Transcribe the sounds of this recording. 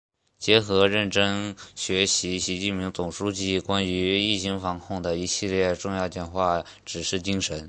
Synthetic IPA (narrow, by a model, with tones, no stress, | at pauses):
t͡ɕjɛ˧˥xɤ˧˥ɻə˥˩nʈ͡ʂɤ˥ŋɕɥɛ˧˥ɕi˧˥ɕi˧˥t͡ɕi˥˩npʰi˧˥ŋt͡sʊ˨˩ŋʂu˥t͡ɕi˥˩kwa˥ny˧˥i˥˩ɕi˧˥ŋfɑ˧˥ŋkʰʊ˥˩ŋd̪ə˩i˧˥ɕi˥˧ljɛ˥˧ʈ͡ʂʊ˥˧ŋjɑ˥˧ʊt͡ɕjɛ˥˩nxwa˥˩ | ʈ͡ʂɻ̩˨˩ʂɻ̩˥˩t͡ɕi˥ŋʂə˧˥n